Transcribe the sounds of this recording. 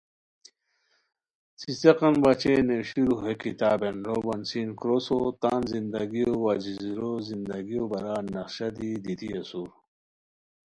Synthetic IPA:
siseqɐnbat͡ɕeneɕiɾuɦekit̪aːbenɾobɐnsinkɾosot̪aːnzind̪ɐɡijowad͡ʑizɾozind̪ɐɡijobɐɾaːnɐχɕɐd̪id̪it̪iɐsuɾ

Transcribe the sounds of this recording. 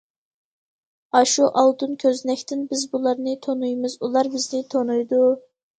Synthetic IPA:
ɑʃuʔɑlˠd̪unkʲʰøznɛkʲt̪ɪnbɪzbulˠɑɾnɨt̪ʰonujmɪzulˠɑɾbɪznɪt̪ʰonujd̪u

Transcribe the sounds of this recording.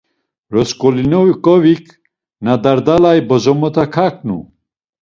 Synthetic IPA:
ɾɔskɔlinɔwikʼɔvikʰ | nad̪aɾd̪alajbɔzɔmɔt̪ʰakʰak̚nṵ

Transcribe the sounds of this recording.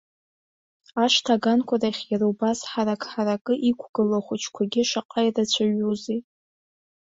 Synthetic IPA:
aʃtʰaɡankʷʰaraχʲjaɾowbasħaɾakʰʼħaɾakʼɨʔikʷʰɡ̥ɨlaχʷʊt͡ʃʰkʷʰaɡʲɪʃaqʼajrat͡ɕʷʰaɥuzi

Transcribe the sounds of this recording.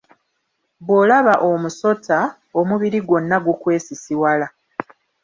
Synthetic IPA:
bwolaβaʔomuso̞ta | omuβiɾiɡo̞nːaɡukwe̞ːsisiwala

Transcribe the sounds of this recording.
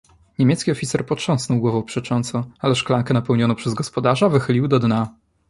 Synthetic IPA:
ɲemʲɛt̪skʲiɔfʲit̪sɛɾpɔtʂɔ̃w̃snɔwɡwɔvɔ̃wpʂɛt͡ʂɔnt̪sɔ̃alɛʂklaŋkɛnapɛwɲɔnɔ̃pʂɛzɡɔspɔd̪aʐavɘxɘlʲiwd̪ɔd̪na

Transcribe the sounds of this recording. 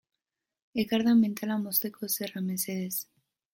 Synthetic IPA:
ekaɾðament̪ʰalamost̪ekʰoserameseðes

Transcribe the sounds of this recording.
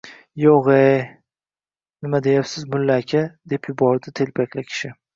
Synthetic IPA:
joʁej | nɪmad̪e̞japsɪzmʊlːakʲʰad̪e̞pjʊbɒɾd̪ɪt̪ʰe̞lpʰakʲlɪkʲʰɪ̥ʃɪ

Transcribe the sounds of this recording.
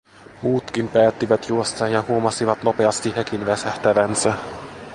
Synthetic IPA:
muːt̪kimpæːt̪ːiʋæt̪juost̪ɑːnjɑhuomɑsiʋɑt̪no̞pe̞ɑst̪ihekinʋæsæht̪æʋænsæ

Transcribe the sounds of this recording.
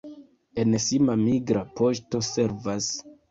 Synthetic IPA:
e̞nsimamiɡɾapo̞ʃto̞se̞ɾvas

